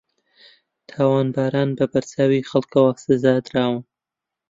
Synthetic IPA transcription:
t̪ʰaːwaːnbaːɾaːnbɐbɐɾt͡saːwiːxɐlkɐwasɨzaːd̪ɾaːwɨn

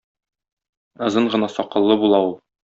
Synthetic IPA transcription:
ɒ̆zɤɴʁɤ̆nɑsɒqɤ̆lˠːɤbulˠɑulˠ

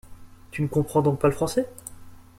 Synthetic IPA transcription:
t̪ynəkɔ̃pχɑ̃d̪ɔ̃k̚paləfχɑ̃sɛ

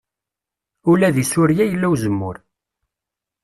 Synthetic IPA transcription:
ulæðisʊɾjæjəlːæwzəmːʊɾ

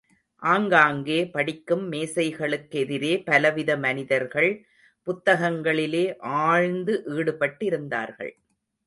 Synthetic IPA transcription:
ʔaːŋɡaːŋɡeːpɐɽɪkːɯmːeːsɐɪɣɐɭɯkːɛðɪɾeːpɐlɐʋɪðɐmɐnɪðɐɾɣɐɭ | pʊt̪ːɐɣɐŋɡɐɭɪleːʔaːɻnd̪ɯʔiːɽɯpɐʈːɪɾɯnd̪a̰ːɾɣɐ̰ɭ

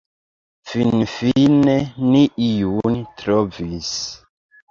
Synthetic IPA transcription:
finfineniʔijuntɾɔvis

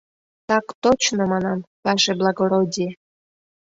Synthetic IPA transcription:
t̪ɑkt̪ot͡ɕnomɑnɑmpɑʃeblˠɑɡoɾodʲi

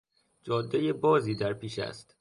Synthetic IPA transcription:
d͡ʒɒːd̪ːejebɒːziːd̪æɾpiːʃæ̰st̪

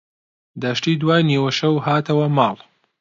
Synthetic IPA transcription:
d̪aːʃtiːd̪waːjniːwɐʃɐwhaːt̪ʰɐwɐmɑːlˠ

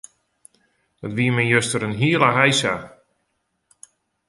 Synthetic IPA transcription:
dɔtʋiəmɛjøstəɾənɦiəlaɦajsa

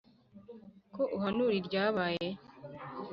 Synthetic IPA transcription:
koʔuɦanuɾiɾɟaːβaːje̞

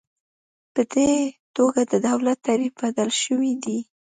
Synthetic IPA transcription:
pəd̪et̪oɡad̪əd̪awlat̪ːaɾifbad̪alʃəwid̪i

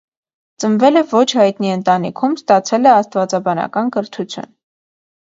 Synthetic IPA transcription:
t͡sənvɛləvɔt͡ʃʰhɑjt̪niənt̪ɑnikʰumst̪ɑt͡sʰɛlɛɑst̪vɑt͡sɑbɑnɑ̰kɑnkəɾt̪ʰut͡sʰjṵn

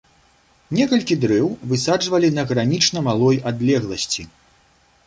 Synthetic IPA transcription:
nʲɛkɐlʲkʲid̪ɾɛwvɨsad͡ʐvɐlʲinɐɣɾanʲit͡ʂnɐmalˠɔjad̪lʲɛɣlˠɐsʲt͡sʲi

